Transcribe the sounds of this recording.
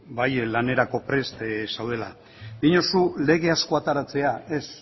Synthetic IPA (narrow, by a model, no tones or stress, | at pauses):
bajlane̞ɾako̞pɾe̞st̪sawðe̞la | diɲosule̞ɣ̞e̞asko̞at̪aɾat͡se̞ae̞s